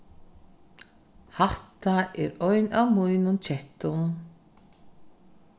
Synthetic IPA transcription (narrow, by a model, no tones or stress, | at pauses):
haht̪aɛɾœɥnawmujnʊnt͡ɕʰɛht̪ʊm